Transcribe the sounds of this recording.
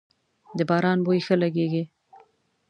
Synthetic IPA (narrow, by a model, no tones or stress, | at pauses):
d̪əbɑːɾɑnbojxəlaɡeɡi